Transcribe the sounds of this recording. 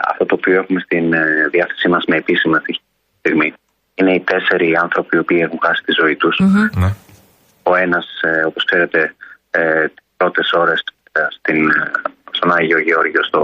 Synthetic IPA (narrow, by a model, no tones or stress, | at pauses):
ɐ̰ft̪o̞t̪o̞ːpio̞e̞xume̞st̪inðiɐθe̞̥simɐzme̞ːpisimesiç | ist̪iɣmi | ine̞it̪e̞se̞ɾiɐnθɾo̞piio̞piːe̞xuɱxɐsi̥t̪izo̞it̪us | o̞e̞nɐsopo̞skse̞ɾe̞t̪e̞ | t̪i̥spɾo̞t̪e̞so̞ɾe̞s | st̪inst̪o̞nɐɲʝio̞ʝeo̞ɾʝiost̪o